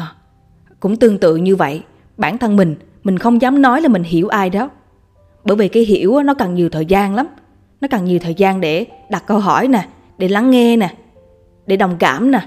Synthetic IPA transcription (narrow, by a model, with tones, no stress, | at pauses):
kʊ̰˧˥ŋ͡mt̪ɨ˧əŋt̪ɨ̰˧˨ɲɨ˧və̰˧˨j | ɓaː˧˩nt̪ʰə˧nmï˨˩ŋ̟ | mï˨˩ŋ̟xə˧wŋ͡mzaː˨˦mnɔ˨˦jlaː˨˩mï˨˩ŋ̟ɦi˧˩əwʔaː˧jɗɔ˨˦ | ɓəː˧˩jvi˨˩kaː˨˦jɦḭ˧˩əwʔa˨˦nɔ˨˦kə˨˩ŋɲi˨˩əwt̪ʰəː˨˩jzaː˧nla˨˦m | nɔ˨˦kə˨˩ŋɲi˨˩əwt̪ʰəː˨˩jzaː˧nɗe˧˩ɗa˨˩t̚kə˧wɦɔ˧˩jnaː˨˩ | ɗe˧˩la˨˦ŋːɛ˧naː˨˩ | ɗe˧˩ɗə˨˩wŋ͡mka̰ː˧˩mnaː˨˩